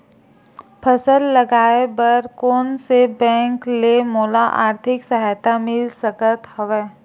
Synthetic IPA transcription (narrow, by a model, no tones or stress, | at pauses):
pʰəsəlːɐɡaːebəɾkoːnsebɛ̃ːŋklemoːlaʔa̰ːɾt̪ʰɪksəɦaːjt̪amɪlsəkət̪hɐʋɛː